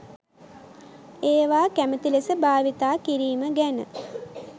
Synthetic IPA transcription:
eːʋaːkæmət̪ilesəbaːʋit̪aːkiɾiːməɡænə̰

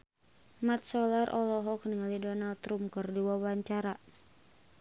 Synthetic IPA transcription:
mat̪̚sɔlarʔɔlɔɦɔk̚nialidɔnalt̪ɾumkɨrdiwawaɲt͡ʃaɾa

